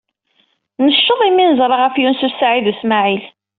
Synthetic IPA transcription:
nəʃːəðˤiminəzˤɾˤɑʁæfjunsusaʕiðusmaʕil

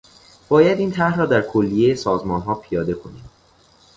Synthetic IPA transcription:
b̥ɒːjæd̪iːnt̪ʰæhrɒːd̪æɾkʰolːijejesɒːzmɒːnɦɒːpʰijɒːd̪e̞kʰo̞niːm

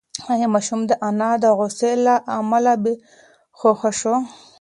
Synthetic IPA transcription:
ajemɑʃumd̪əʔanɑd̪əɣoselaʔamalabe | xoxaʃo

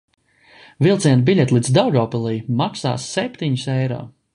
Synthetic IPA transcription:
vilˠt̪siɛnbilʲɛt̪ʲlˠid̪zd̪awɡɔːpɛlˠijmaksa̰ːsːɛpʲt̪iɲisɛjɾɔ̰ː

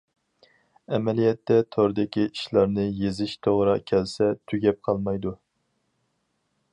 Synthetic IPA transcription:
ɛmɛlijɛt̪ʰːɛt̪ʰoɾd̪ɪkʲiiʃlˠɑɾnɨjezɪʃt̪ʰoʁɾɑkʲʰɛlsɛt̪ʰyɡʲɛp̚qʰɑlˠmɑjd̪u

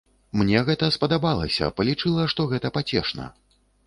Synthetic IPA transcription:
mnʲɛɣɛt̪ɐspɐd̪abalˠɐsʲɐ̰pɐlʲit͡ʂɨlˠɐʂt̪ɔɣɛt̪ɐpat͡sʲɛ̰ʂnɐ̰

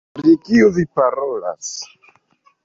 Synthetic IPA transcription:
pɾikiovipaɾola̰s

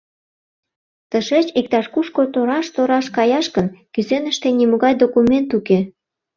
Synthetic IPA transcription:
t̪əʃet͡ɕik̚t̪ɑʃkuʃkot̪oɾɑʃt̪oɾɑʃkɑjɑʃkənkyzenəʃt̪enimuɣɑjd̪okument̪uke

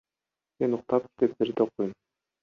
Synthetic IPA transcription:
me̞nuq̚t̪ɑp̚kʲe̥t̪et̪̚beɾd̪eoqːujum

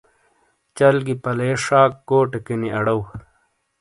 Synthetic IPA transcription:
t͡ɕɐlɡipɐleːʂaːkːoːʈekiniɐɽɐw

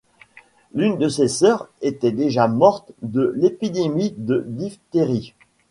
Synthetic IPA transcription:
lynd̪əsesœʁet̪ɛd̪eʒamɔʁt̪d̪əlepid̪emid̪əd̪ift̪eʁi

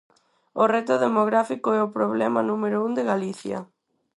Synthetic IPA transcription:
orɛt̪ʊðemoɣɾafikoɛopɾoβlɛmɐnũmeɾound̪eɣaliθjɐ̰

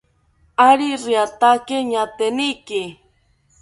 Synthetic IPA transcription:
aɾiɾiat̪akeɲat̪enikɪ

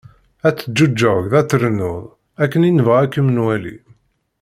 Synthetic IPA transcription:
æt͡sːəd͡ʒːud͡ʒːəʝðæt͡sːəɾənʊðˤ | ækːəninəvʁækːəmənwælḭ

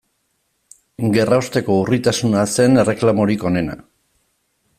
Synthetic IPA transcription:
ɡe̞raost̪e̞ko̞urit̪asunase̞ne̞re̞klamo̞ɾiko̞ne̞na̰

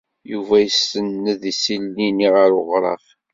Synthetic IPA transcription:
juvæjəsənːəðisilːiniʁəɾoʁɾˤɑ̰f

